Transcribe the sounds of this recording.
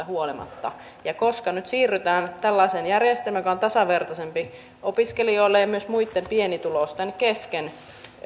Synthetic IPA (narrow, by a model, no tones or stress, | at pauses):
æhuolimɑ̰t̪ːɑ̰ | jɑkoskɑnyt̪siːrːyt̪æːnt̪ælːɑisenjærjest̪elmæjokɑont̪ɑsɑʋert̪ɑsempi | opiskelioilːejɑmyøsmuit̪ːempienit̪ulost̪enkesken